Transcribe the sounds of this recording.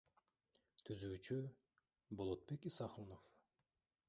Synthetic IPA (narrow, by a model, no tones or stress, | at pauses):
t̪ʰyzyːt͡ʃy | bo̞lˠot̪̚be̞kisɑχunof